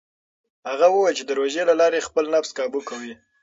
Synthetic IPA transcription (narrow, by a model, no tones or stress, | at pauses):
haɣawəwəjlt͡ʃed̪əɾoʒelalɑɾexpəlnafskɑbukawi